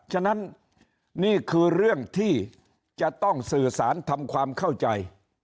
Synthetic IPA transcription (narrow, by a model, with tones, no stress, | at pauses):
t͡ɕʰa˥˩na˦˥nː | iː˥˩kʰɯː˧ɾɯ˥˩əŋt̪ʰiː˥˩ | t͡ɕa˨˩t̪ɔ˥˩ŋsɯː˨˩saː˩˦nt̪ʰa˧mkʰwaː˧mkʰa˥˩wt͡ɕa˧j